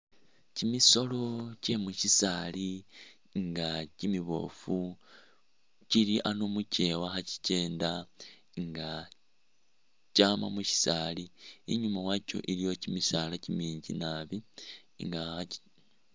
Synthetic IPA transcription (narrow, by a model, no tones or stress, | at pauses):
cimiso̞lo̞ce̞muʃisaːli | ŋɡacimiβo̞̰fu | ciliʔanomuce̞waxaci̥ce̞ːnda | ŋɡa | caːma̰muʃi̥saːliːɲumawaco̞̰ʔilijo̞cimisaːlacimiːɲɟḭnaβi | ŋɡa